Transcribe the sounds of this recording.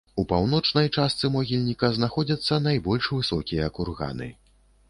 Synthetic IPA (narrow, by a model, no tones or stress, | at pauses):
upawnɔt͡ʂnɐjt͡ʂast̪sɨmɔɣʲilʲnʲikɐznaxɔd͡zʲɐt̪sːɐnajbɔlʲʂvɨsɔkʲijɐːkurɣa̰nɨ̰